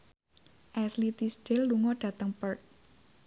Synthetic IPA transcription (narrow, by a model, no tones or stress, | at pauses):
ʔɛslit̪isɖ̥elːuŋɔɖ̥a̤t̪əŋpərt̪̚